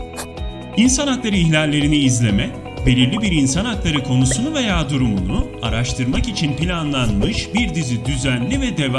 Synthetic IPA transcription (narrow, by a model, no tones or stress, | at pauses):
insanak̪lˠaɾɯiçlʲalʲːe̞ɾiniːzlʲe̞mɛ | be̞lʲiɾlʲibiɾinsanak̪lˠaɾɯkʰo̞nusunuve̞jaːd̪uɾumunuaɾaʃt̪ʰɯɾmakit͡ʃʰinpilʲanlˠanmɯʃbiɾd̪izid̪yzænlʲivɛd̪ev